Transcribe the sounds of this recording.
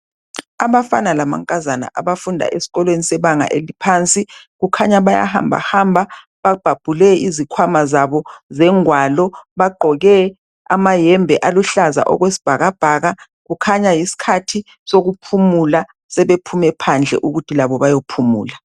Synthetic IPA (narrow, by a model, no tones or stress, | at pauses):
aβafanalama̰ŋkʼazana̰ʔaβafundʱa̰ʔesi̥ɣɔlwenisɛβaŋa̰ʔelipʰant͡sʼiɣukʰaɲaβaja̰ha̰mbʱa̰hambʱa | βab̥ʱab̥ʱulɛizikʰwamazaβɔzɛŋwalɔβaɡ͡ǃʱɔɣɛ | a̰majɛmbʱɛʔaluɬaza̰ʔɔ̰ɣwesi̥b̥ʱaɣab̥ʱaɣa | ɣukʰaɲajisi̥kʰatʰi | soɣupʰumula | sɛβepʰumɛpʰand͡ɮʱɛ̰ʔuɣutʰilaβɔβajopʰumṵːla